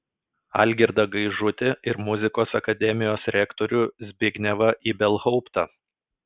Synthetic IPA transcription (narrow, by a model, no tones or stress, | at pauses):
ɐ̰lʲɡʲɪɾd̪ɐɡɐɪʒʊt̪ʲɪʔɪɾmʊzʲɪkoːsɐkɐd̪ʲɛmʲɪjoːsɾʲɛkt̪oːɾʲʊzʲbʲɪɡʲnʲɛʋɐʔiːbʲɛlˠhɒʊpt̪ɑ